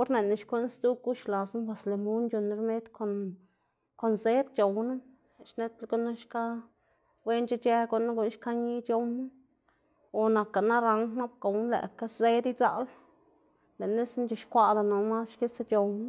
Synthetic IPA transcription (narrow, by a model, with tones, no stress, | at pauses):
o˦ɾne˨na˧ʃkʷe˦nst̪u˦ku˦ʃla˨sna˦ba˧˨sle˨mu˦nt͡ʃo˨n˧ɾme˦t̪ko˨n | ko˨nze˦t̪̚t͡ʃo˨wnu˦˨ | ʃne˦t̪lɡo˦na˦ʃka˦ | bwe˦nt͡ʃa˦t͡ʃe˦ɡo˧na˦ɡu˧˨nʃka˦ɲi˦t͡ʃo˧wm˦ | o˨na˧ka˨na˦ɾa˧ŋkna˦b̚ko˨wn˦lḛ˨ka˦ze˦d̪i˦t͡sa̰˧l | le˨ne˦snt͡ʃo˨ʃkʷa˧d̪a˨no˨ma˦sʃki˦se˦t͡ʃo˨wn˦